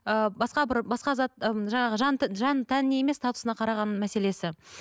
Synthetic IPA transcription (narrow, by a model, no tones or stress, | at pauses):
əbɑsqɑbɪɾbɑsqɑzɑt̪ʒɑɴɑʁəʒɑnʒɑnt̪ʰænɪnejeme̞st̪ɑt̪ʊsənɑqʰɑɾɑʁɑnmæse̞le̞sɪ